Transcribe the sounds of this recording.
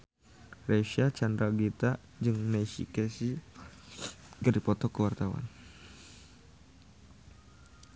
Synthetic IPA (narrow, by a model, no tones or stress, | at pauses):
reʃat͡ʃand̪ɾaɡit̪a | d͡ʒɨŋnɛsḭkɛsi | ɡaɾipɔt̪ɔkəwart̪awa̰n